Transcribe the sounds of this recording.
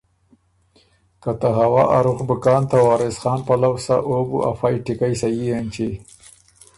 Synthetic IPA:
kat̪aɦawɑʔa̰ɾuxbʊkɑːnt̪awɑːɾɪsxɑːnpalawsa̰ʔobṵʔa̰fɑjʈɪkajsajiant͡ʃi

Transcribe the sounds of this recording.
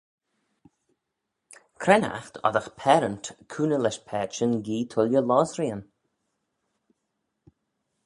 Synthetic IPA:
kʰɾɛna̰xt̪ʰɔ̰ðəxpʰɛːɾənt̪kʰuːnəlɛʃpʰɛːt͡ʃənɡiːt̪ʰʊljəlɔːzɾiːən

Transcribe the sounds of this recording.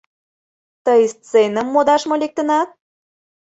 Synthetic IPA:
t̪əjst͡senəmːod̪ɑʃmolek̚t̪ə̆nɑt̪̚

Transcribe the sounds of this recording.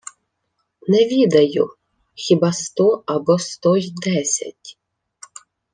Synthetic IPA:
nɛʋʲid̪ɐjʊ | xʲibɑst̪ɔɐbɔst̪ɔjd̪ɛsʲɐ̰tʲ

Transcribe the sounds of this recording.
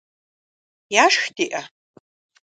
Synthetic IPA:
jaʂxtiʔɐ

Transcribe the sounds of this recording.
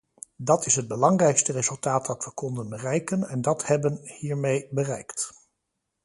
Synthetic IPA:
dɑtɪsɦəd̚bəlɑŋrɛjkstərezɵlˠtaːt̚dɑtʋəkɔndənbərɛjkənɛndɑthɛbənhiːɹmejbərɛjkt

